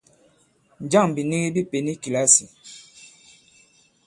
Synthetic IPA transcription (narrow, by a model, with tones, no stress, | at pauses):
n˨d͡ʒa˦˨ŋbi˨ni˦ɣi˦bi˦pe˨ni˦ki˨la˦si˨